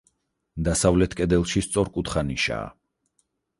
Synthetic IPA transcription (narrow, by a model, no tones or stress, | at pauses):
d̪asavlɛt̪ʰkʼɛd̪ɛlˠʃist̪sʼɔɾkʼut̪χaniʃa̰ː